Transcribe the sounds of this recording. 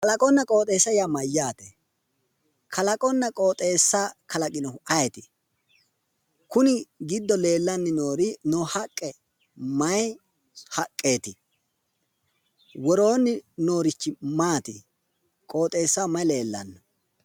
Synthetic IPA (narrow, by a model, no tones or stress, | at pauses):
kɐlɐkʼɔnːɐkʼo̞ːt̪ʼeːsːɐjamɐjːaːt̪ɛ | kʰɐlɐkʼɔnːɐkʼo̞ːt̪ʼe̞ːsːaːkʰɐlɐkʼɪnɔʊʔɐjɛt̪ɪ | kʊnɪɡɪd̪ːɔle̞ːlːɐnːɪnoːɾɪnoːhɐkʼːɛ | mɐj | hɐkʼːe̞ːt̪ɪ | wɔɾo̞ːnːɪno̞ːɾɪt͡ʃːɪmaːt̪ɪ | kʼo̞ːt̪ʼe̞ːsːaːmɐjle̞ːlːɐ̰nːɔ